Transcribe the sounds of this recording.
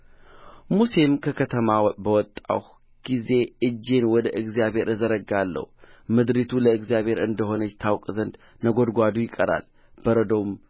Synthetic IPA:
musemkʰəkʰət̪ʰəmabəwɔt̪ʼːa̰h | ɡ̥ize̞ɨd͡ʒːe̞nwɔd̪əʔɨɡzijabhe̞ɾɨzəɾəɡalːə̰humɨd̪ɾit̪ʰuləɨɡzjaβhe̞ɾɨnd̪əɦo̞nət͡ʃt̪ʰawkʼzənd̪ | nəɡo̞d̪ɡʷad̪ujɪkʼəɾa̰l | b̥əɾəd̪om

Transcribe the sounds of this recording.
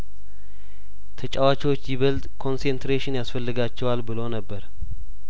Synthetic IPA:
t̪ʰət͡ʃʼawat͡ʃiwot͡ʃːjɪβəlt̪ʼkʰo̞nsent̪ɾeʃɪnjasfəlːɨɡat͡ʃːɛwalbɨlonəbːəɾ

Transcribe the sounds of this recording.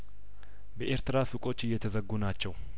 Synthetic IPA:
bəʔeɾt̪ɨɾasukʼo̞t͡ʃːɨjːɛt̪ʰəzəɡːunat͡ʃːɛw

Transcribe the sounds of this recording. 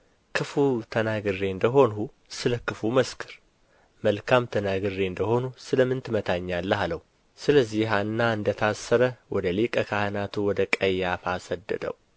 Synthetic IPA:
kʰɨfut̪ʰənaɡɨrːeɨnd̪əɦo̞nu | sɨləkɨfuməskʰɨɾ | məlkʰamt̪ʰənaɡɨrːeɨnd̪əho̞nusɨləmːɨnt̪ʰɨmət̪ʰaɲːalːəhaləhu | sɨləzːiɦanːaɨnd̪ət̪ʰasːəɾəwʔɔd̪əlikʼəkʰahɨnat̪ʰuwɔd̪əkʼəjːafasəd̪ːɨ̰d̪ə̰w

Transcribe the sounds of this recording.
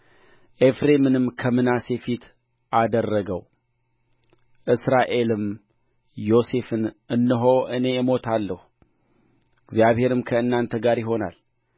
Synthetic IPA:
ʔe̞fɾe̞mɨnɨmkʰəmɨnase̞fit̪ʰ | ʔad̪ərːəɡəw | ʔɨsɾaʔe̞lɨm | jo̞se̞fɨnɨnːɨɦoʔɨne̞mo̞t̪ʰalːəhu | ɨɡzjaβhe̞ɾɨmkʰəɨnːant̪ʰəɡaɾjɪɦo̞na̰l

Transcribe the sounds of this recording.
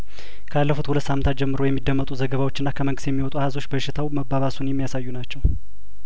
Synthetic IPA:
kʰəalːəfut̪hulət̪samnt̪at̪̚d͡ʒɛmːɨɾo̞jɛmːid̪ːəmːət̪ʼuzəɡəβawot͡ʃːɨnːakʰəməŋɡɨst̪jɛmːiwɔt̪ʼuahazo̞t͡ʃːbəʃːɪt̪ʰawməbːaβasunjɛmːijasajːunat͡ʃːɛw

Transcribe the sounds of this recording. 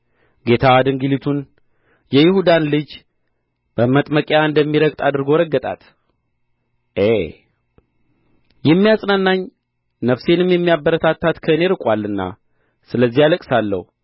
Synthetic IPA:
ɡe̞t̪ʰad̪ɨŋɡɨlit̪ʰun | jɛjɪhud̪anlɨd͡ʒ | b̥əmət̪ʼməkʼjaɨnd̪əmːiɾəɡt̪ʼad̪ɨɾɡo̞ɾəɡːət̪ʼa̰t̪ | ʔe | jɛmːijasʼnanːaɲ | nəfse̞nɨmjɛmːijabːəɾət̪ʰat̪ːat̪kʰəɨne̞ɾɨkʼwalːɨnːa̰ | sɨləzːijaləkʼsalːə̰hu

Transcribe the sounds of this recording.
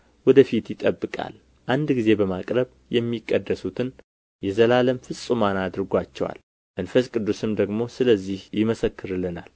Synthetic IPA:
wɔd̪əfit̪jɪt̪ʼəbːɨkʼa̰l | ʔand̪ɡize̞bəmakʼɾəβ | jɛmːikʼːəd̪ːəsut̪ʰɨn | jɛzəlaləmfɨsʼumanad̪ɨɾɨɡʷat͡ʃːɛ̰wa̰l | mənfəskʼɨd̪ːusɨmd̪əɡmo̞sɨləzːihjɪməsəkːɨɾɨlːɨna̰l

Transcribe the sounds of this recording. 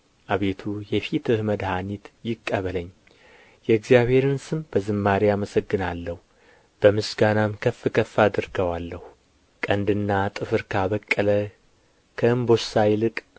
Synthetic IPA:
ʔaβe̞t̪ʰujɛfit̪ɨhməd̪hanit̪jɪkʼːəβələɲː | jɛɨɡzijaβhe̞ɾɨnsɨmb̥əzɨmːaɾijaməsəɡːɨnalːəhu | b̥əmɨsɡanamkʰəfːɨkʰəfːad̪ɨɾɡəwalːəh | kʼənd̪ɨnːat̪ʼɨfɨɾkʰaβəkʼːələ | kʰəɨmbo̞sajlɨkʼ

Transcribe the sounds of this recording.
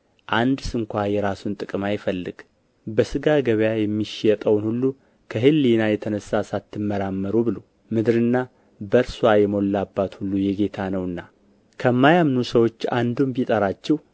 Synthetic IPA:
ʔand̪sɨŋkʷajɛɾasunt̪ʼɨkʼɨmajɪfəlːɨɡ̥ | bəsɨɡaɡəβjajɛmːiʃjɛt̪ʼəwnhulːu | kʰəɦɨlːinajɛt̪ʰənəsasat̪ʰːɨmːəɾamːəɾubɨlo | mɨd̪ɾɨnːa | bəɾswajɛmo̞lːabːat̪hulːujɛɡe̞t̪ʰanəwɨnːa | kʰəmːajamnusəwo̞t͡ʃːand̪umbit̪ʼəɾat͡ʃːɛhw

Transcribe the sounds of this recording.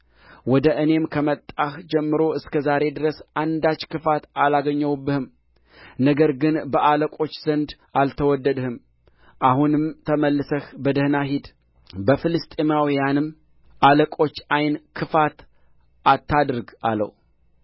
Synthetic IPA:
wɔd̪əʔɨne̞mkʰəmət̪ʼːahd͡ʒɛmːɨɾo̞ɨskʰəzaɾe̞d̪ɨɾəsand̪at͡ʃːkɨfat̪alaɡəɲːəwbːɨhɨm | nəɡəɾɡɨnbəʔaləkʼo̞t͡ʃːz̥ənd̪ | alt̪ʰəwɔd̪ːəd̪hɨm | ʔahunɨmt̪ʰəməlːɨsəhbəd̪ɨhnaɦid̪ | bəfɨlɨst̪ʼemawijanɨm | ʔaləkʼo̞t͡ʃːajnkʰɨfat̪ | at̪ʰːad̪ɨɾɡa̰lːə̰w

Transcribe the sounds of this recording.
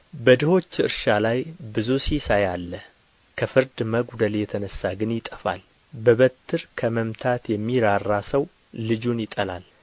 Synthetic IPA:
bəd̪ɨho̞t͡ʃːɨ̰ɾʃalajbɨzusisajalːə | kʰəfɨɾd̪məɡd̪əljɛt̪ʰənəsːaɡɨnjɪt̪ʼəfa̰l | bəβət̪ʰːɨɾkʰəməmt̪ʰat̪jɛmːiɾarːasəw | lɨd͡ʒunjɪt̪ʼəla̰l

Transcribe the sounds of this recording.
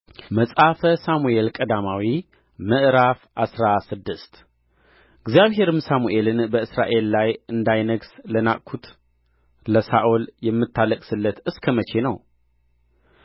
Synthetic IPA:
məsʼafəsamue̞lkʼəd̪amawi | məʔɾafʔasɾasɨd̪ːɨst̪ | ʔɨɡzijaβɦe̞ɾɨmsamuʔe̞lɨnbəɨsɾa̰ʔe̞lːajɨnd̪ajnəɡsləna̰ʔʼkʰːut̪ | ləsaʔoljɛmːɨt̪ʰːaləkʼsɨlːət̪ɨskʰəmət͡ʃʰe̞nəw

